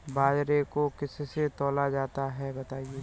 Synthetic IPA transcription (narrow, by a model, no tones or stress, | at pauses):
baːd͡ʒɾekokɪsset̪ɔːlad͡ʒaːt̪aɦɛbɐt̪aːieː